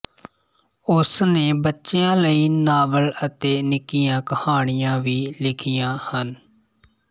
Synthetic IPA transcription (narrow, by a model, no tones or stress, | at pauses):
ʊsneːbətːʃejãːləiːnaːʋələt̪eːnɪkɪjãːkəhaːɳ̃ɪjãːʋiːlɪkʰijãːhən